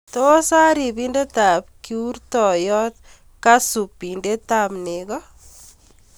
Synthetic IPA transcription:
t̪o˦sa˦ɾi˨binde˦t̪a˨p̚kiu˦rt̪ɔ˨jɔ˦t̪̚ | ka˦su˨pːi˨nde˦t̪a˨pne˨ɡɔ

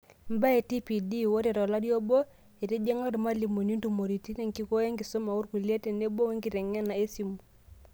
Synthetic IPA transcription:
mba˦e˨ti˦pi˨di˦wo˦ɾe˨ɾɔ˨la˦djo˦bo˦ | e˨te˦d͡ʒe˦ŋa˦ɾma˦li˨mu˨ni˦ntu˨mo˨ɾi˨ti˦ne˦ŋki˦ko˦je˦ŋɡi˨so˦ma˨u˦ɾku˨lɛ˦tɛ˨ne˦bo˦we˦ŋɡi˨ɾɛ˨ŋɛ˦na˨e˦si˨˦mu˨

